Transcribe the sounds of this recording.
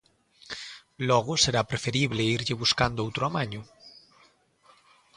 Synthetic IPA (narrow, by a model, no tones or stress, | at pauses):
loɣoseɾapɾefeɾiβ̞leiɾʎeβuskand̪oowt̪ɾoamaɲo